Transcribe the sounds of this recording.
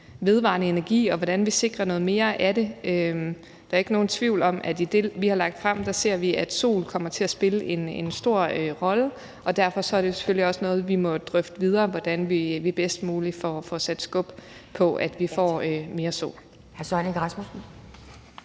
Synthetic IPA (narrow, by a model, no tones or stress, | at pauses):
ʋe̝ð̞ˠʋɑ̰̈nəe̝næɐɡ̥ḭːɒ̽ʋɒd̥ænʋise̝ɡ̥ʁɐnɔ̽ːð̩ˠme̝ːɐʔæɾe̝øm | d̥ɑɐe̝ɡ̥no̝ːn̩t͡sʰʋiʊ̰lɒ̽m̰ʔæd̥id̥e̝ʋihɑ̈lɑ̈ɡ̥̚d̥fʁɑm̰d̥æse̝ɐ̰ʋiʔæd̥so̝̰ːlkʰɒ̽m̰ɐt͡sʰe̝æsb̥e̝ləʔe̝nensd̥o̝ɐ̰øʁɒ̽lə | ʔɒ̽d̥æɐ̰fɒ̽sɒ̽æɐd̥ese̥føliɒ̽sənɔ̽ːð̩ˠʋimɒ̽d̥ʁœfd̥əʋið̞ˠɐːʋɒd̥ænʋiʋib̥esd̥muːlifɒfɒsæd̥sɡ̥ɔ̽b̥pʰɒ̽ʔæd̥ʋifɒ̰ːøme̝ːɐso̝̰ːl | hæɐsɒnəɡ̥ʁɑsmos